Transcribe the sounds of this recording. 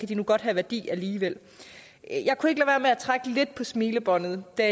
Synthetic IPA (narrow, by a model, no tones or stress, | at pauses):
kʰæd̥inuɡ̥ɒ̽d̥ɦæʋæɐd̥ḭːæliːʋel̰ | jɑ̈ɪkʰue̝ɡ̥əlæʋæːɐmeæt͡sʰʁaɡ̥əle̝d̥̚pʰɒ̽smiːləb̥ɒ̽n̰ð̞̩ˠd̥æ